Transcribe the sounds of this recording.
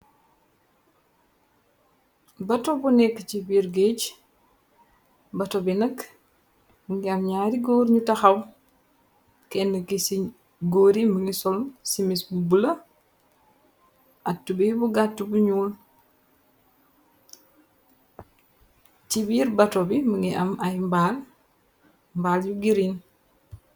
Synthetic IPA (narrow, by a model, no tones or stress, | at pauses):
bɐtobunɛkːət͡ʃibiɾɡeɟ | bɐtobinɐk | ŋɡamɲaːɾiɡoːɾɲutaxaw | kɛnːəkisi | ɡoːɾiməŋisɔlsimisbubulə | ʔatːubibuɡatːubuɲuːl | tibiɾbatobiməŋɡiʔɐmajmbaːl | mbalɟuɡiɾin